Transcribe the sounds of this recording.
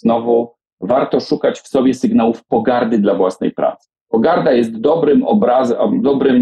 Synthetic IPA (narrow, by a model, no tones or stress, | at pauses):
nɔvu | vaɾt̪ɔʂukat͡ɕfsɔbʲjɛsɘɡnawufpɔɡaɾd̪ɘd̪lavwasnɛ̰jpɾa̰t̪sɘ̥pɔɡaɾd̪ajɛst̪d̪ɔbɾɘmɔbɾazɛd̪ɔbɾɘm